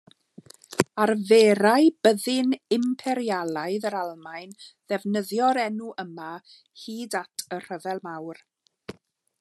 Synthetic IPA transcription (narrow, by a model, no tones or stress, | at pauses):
aɾveːɾajbəðɪnɪmpʰɛɾjalˠaɨðəɾalˠmajnðɛvnəðjɔɾɛnuʔəma | hiːdatʰər̥əvɛlˠmawr